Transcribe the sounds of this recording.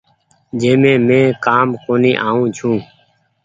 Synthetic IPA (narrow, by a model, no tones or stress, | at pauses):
d͡ʒeːmẽːmẽːkaːmkoːniːʔaːũːt͡ʃʰũː